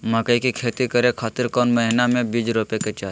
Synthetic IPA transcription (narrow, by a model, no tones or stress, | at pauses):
məkəikikʰeːt̪ikəɾekʰaːt̪ɪɾkɔːnməɦɪnamẽbiːd͡ʒɾoːpeket͡ʃaː